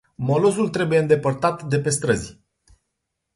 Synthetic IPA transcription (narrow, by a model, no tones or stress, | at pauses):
mo̞lo̞zult̪ɾe̞buje̞ɨnd̪e̞pərt̪at̪d̪e̞pe̞st̪ɾəzʲ